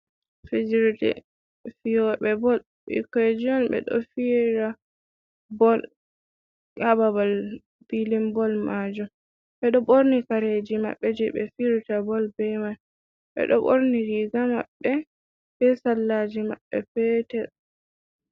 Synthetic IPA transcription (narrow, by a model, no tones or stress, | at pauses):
fid͡ʒɾtɛ̰ | fijɔbɛbɔl | ɓḭkɔed͡ʒiɔnbɛ̰ɗɔ̰fiɾa | bɔl | kababal | b̥ilimbɔlmad͡ʒum | ɓɛɗɔboɾnikaɾed͡ʒima̰ɓːɛd͡ʒɛbɛ̰fiɾutabɔlbɛman | ɓɛ̰ɗɔɓoɾniɾiɡama̰ɓːɛ | bɛsalːad͡ʒimaɓːɛ̰pɛtɛ